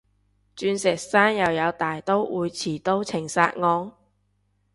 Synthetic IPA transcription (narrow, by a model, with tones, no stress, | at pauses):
t͡ʃyː˧nsɛː˨˩k̚saː˥njɐ˨˧wjɐ˨˧wt̪aː˨jt̪o˥wʔuː˨˧jt͡sʰiː˨˩t̪o˥wt͡sʰɪ˨˩ŋsa̰ː˧t̚ŋɔː˧ŋ